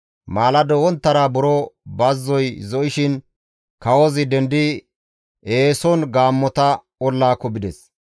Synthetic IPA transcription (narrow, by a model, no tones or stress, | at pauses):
maːlɐd̪ɔwɔnt̪ːɐɾabʊɾɔbɐzːɔjzɔʔɪʃɪn | kɐwɔzɪd̪ɛnd̪ɪ | eːsɔnɡaːmːɔt̪ɐ | ɔlːaːkːɔbɪd̪ɛs